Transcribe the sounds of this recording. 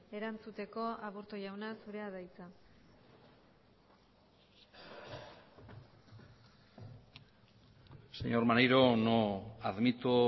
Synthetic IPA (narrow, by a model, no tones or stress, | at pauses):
e̞ɾant͡sut̪e̞ko̞aβuɾt̪oʝawnasuɾe̞aðajt͡sa | seɲo̞ɾmanejɾo̞noaðmit̪u